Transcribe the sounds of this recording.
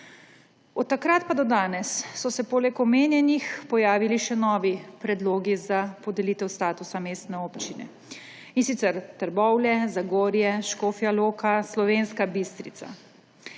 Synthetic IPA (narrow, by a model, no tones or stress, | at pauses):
ɔt̪ːakɾat̪̚pad̪ɔd̪aːnɛsːɔsɛpoːlɛkɔmeːnjɛnixpɔjaːʋiliʃɛnɔːʋipɾɛd̪loːɡizapɔd̪ɛliːt̪ɛwst̪aːt̪usameːst̪nɛoːpt͡ʃinɛ̰ | insit̪sɛɾt̪əɾbɔwlɛzaɡoːɾjɛʃkoːfjaloːkaslɔʋeːnskabist̪ɾḭt̪sa̰